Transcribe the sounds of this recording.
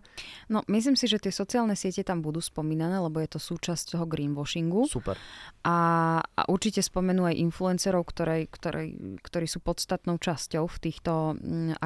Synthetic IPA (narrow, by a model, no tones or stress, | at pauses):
nɔmis̬liːmsiʒɛt̪ɪɛsɔt͡siaːlnɛsɪɛcɛt̪ambud̪uːspɔmiːnanɛːlɛbɔjɛt̪ɔsuːt͡ʃasct̪ɔɦɔɡɾiːnʋɔʃiŋɡusupɛ̰ɾʔaa̰ʔuɾt͡ʃicɛspɔmɛnuːajʔinfluɛnsɛɾɔʊkt̪ɔɾɛjkt̪ɔɾɛ̰kt̪ɔɾiːsuːpɔt̪st̪at̪nɔʊt͡ʃascɔʊft̪iːxt̪ɔa